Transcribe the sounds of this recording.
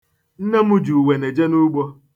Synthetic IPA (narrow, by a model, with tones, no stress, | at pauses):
n̩˦ne˦mu˦d͡ʒu˨we˨ne˨d͡ʒe˦nu˦ɡ͡bɔ˦